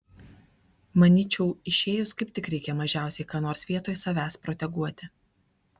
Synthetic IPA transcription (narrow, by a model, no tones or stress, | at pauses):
mɐnʲiːt͡ʃʲɛʊɪʃʲeːjʊskɐɪp̚t̪ʲɪkɾʲɛɪkʲɛmɐʒʲæˑʊsʲɛɪkɑːnoːɾsʋʲiɛt̪oːjsɐʋʲæːspɾɔːt̪ʲɛɡuɔt̪ʲɪ